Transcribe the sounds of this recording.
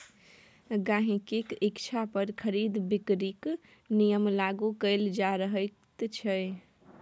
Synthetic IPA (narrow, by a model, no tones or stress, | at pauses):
ɡãɦĩkikikt͡ʃʰapəɾkʰəɾid̪bikɾik | nijəmlaɡukəɪld͡ʒaɾəɦəɪt̪t͡ʃʰəj